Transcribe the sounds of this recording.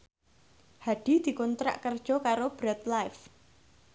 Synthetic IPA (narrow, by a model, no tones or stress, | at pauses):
haɖ̪̥i̤d̪̥i̤kunt̪ɾa̰ʔkərd̥ʒ̥ɔ̤kaɾob̥ɾɛt̪lajf